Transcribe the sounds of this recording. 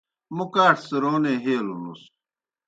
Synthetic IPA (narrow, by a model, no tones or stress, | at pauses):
mukaːʈʰseɾoːneːɦeːlunṵs